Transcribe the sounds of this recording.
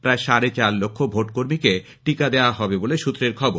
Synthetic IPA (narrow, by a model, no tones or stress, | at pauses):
pɾaeʃaɾet͡ɕaɾlokʰːobʱoʈkoɾmike | ʈikad̪eoaɦɔbeboleʃut̪ːɾeɾkʰɔboɾ